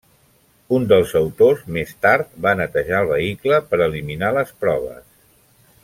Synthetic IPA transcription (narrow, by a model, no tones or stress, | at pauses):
und̪əlˠzəwt̪ozmest̪aɾt̪̚banət̪əʒaəlˠβəikləpəɾəliminaləspɾɔβ̞ə̰s